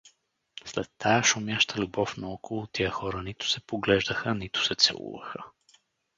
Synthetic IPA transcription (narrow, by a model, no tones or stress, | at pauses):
slɛt̪ːajəʃʊmʲjaʃt̪ʰəlʲʊbɔfnɐɔkʰolˠʊt̪ijəxɔɾənit̪ʊ̥sɛpoɡlɛʒd̪əxənit̪ʊ̥sɛt̪sɛ̰lˠṵvə̰xə